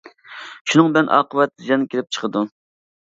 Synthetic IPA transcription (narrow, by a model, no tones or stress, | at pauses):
ʃunɨŋbɛnʔɑ̰ːqəwɛt̪ːd͡ʒɑnkʲelɪp̚t͡ʃʰə̥qʰəd̪u